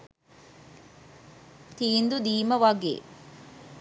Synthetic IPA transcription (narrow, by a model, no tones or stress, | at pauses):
t̪iːnd̪ud̪iːmɐʋaɡḛː